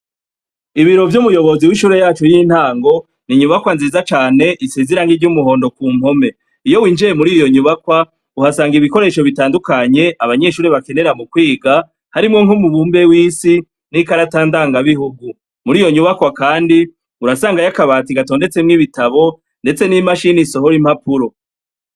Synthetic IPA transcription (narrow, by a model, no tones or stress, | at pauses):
iβiɾo̞vjumujo̞βo̞ziwiʃuːɾejaːt͡ʃojin̥haːŋɡo̞ | niɲuβakwanzizat͡ʃaːne̞ʔiseziɾaŋɡiɾɟumuɦo̞ːndo̞kuːmho̞me̞ | ijo̞wiːnd͡ʒiɾemuɾijo̞ɲuβakwa | uhasaːŋɡiβiko̞ɾe̞ːʃo̞βitaːndukaɲe̞ʔaβaɲe̞ʃuːɾeβake̞ne̞ɾamukwiːɡa | haɾimŋo̞ŋhumuβuːmbe̞wiːsi | n̥ikaɾataːndaːŋɡaβiɦuɡu | muɾiːjo̞ɲuβakwakaːndi | uɾasaːŋɡajakaβaːtiɡato̞ːnde̞t͡semŋiβitaβo̞ | nde̞t͡se̞nimaʃiniso̞ɦoɾim̥hapuɾo̞